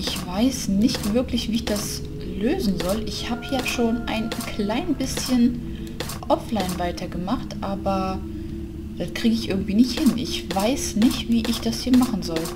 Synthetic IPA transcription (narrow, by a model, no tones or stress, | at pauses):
ʔɪçv̥aɪsnɪçtv̥ɪɐklɪçv̥iːɪçd̥as | løːzn̩zɔlʔɪçhaːbəjaʃoːnʔa̰ɪnkʰl̥aɪnbɪsçən | ʔɔflaɪnvaɪtʰɐɡəmaχtʔaːbɐ | d̥atkʁ̥iːɡəɪçʔɪ̰ɐɡŋ̩tv̥iːnɪçthɪnʔɪçv̥aɪsnɪçtv̥iːʔɪçd̥ashiːɐmaχn̩zɔl